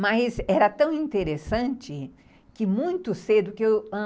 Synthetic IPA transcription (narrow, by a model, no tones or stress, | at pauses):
mɐsɛɾɐt̪ɐ̃w̃ĩnt̪eɾesɐ̃nt͡ʃɪ | kɪmũj̃t̪ʊsed̪ʊkɪewɐ̃